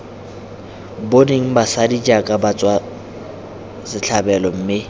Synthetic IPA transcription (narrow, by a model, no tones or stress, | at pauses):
boneŋ̩basadid͡ʒakʼabat͡sʼwa | sɪɬʰabɛlɔm̩mɪ